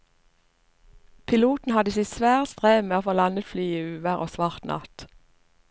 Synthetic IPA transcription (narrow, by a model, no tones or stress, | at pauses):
pʰɪluːt̪n̩hɑd̪əsiːsʋæːʁt̪st̪ʁeːmeːoːfoːlɑnət̪flyːiʉːʋəʁʔo̰ːsʋɑʁt̪nʔɑ̰t̪